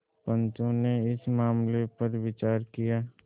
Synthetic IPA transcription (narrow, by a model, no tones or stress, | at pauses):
pə̃nt͡ʃõneɪsmaːmlepɐɾwɪt͡ʃaːɾkijaː